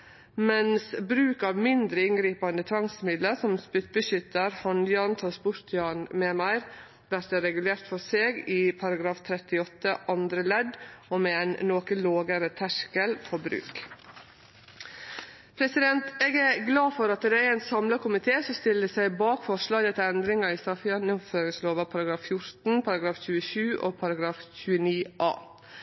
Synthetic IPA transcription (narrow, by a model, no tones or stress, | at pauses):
mɛnsbɾʉːkɑʋmɪnd̪ɾəɪnɡɾiːpɑnd̪ət̪ʰʋɑŋsmɪd̪ləsɔmspʏt̪̚bəʃʏt̪ːəɾhɑnjɑːnt̪ʰɑːspʊɾt̪ʰjɑːnmɛːmæɪɾ | ʋæɾt̪əɾɛɡʉleːɾt̪fɔseːɡɪpʰɑɾɑɡɾɑːft̪ʰɾɛt̪ɪɔt̪ːəʔɑnd̪ɾəlɛd̪ɔmɛɛnnoːkəloːɡəɾət̪ʰæʂkəlfɔɾbɾʉ̰ːk | pʰɾɛsɪd̪ɛnt̪eːɡæɾɡlɑːfɔɾɑt̪d̪ɛæɾæɪnsɑmlɑkʰʊmɪt̪ʰeːsɔst̪ɪld̪əsæɪbɑːkfɔʂlɑːɡət̪ʰɪɛnd̪ɾɪŋɑɪst̪ɑfɪɑnɪføːɾɪŋsloːʋɑpʰɑɾɑɡɾɑːffjʊɾt̪n̩pʰɑɾɑɡɾɑːfçʉːəʃʉːʔo̰pʰɑɾɑɡɾɑːfçʉːəniːʔɑ̰ː